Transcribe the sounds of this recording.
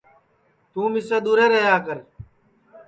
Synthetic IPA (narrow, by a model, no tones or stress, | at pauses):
t̪ũːmɪseːɗ̪uːɾeːɾəɦjaːkəɾ